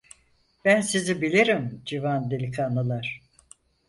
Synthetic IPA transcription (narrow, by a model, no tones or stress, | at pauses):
b̥ænsizibilʲiɾimd͡ʒivand̪elʲikʰanɯlˠaɾ̥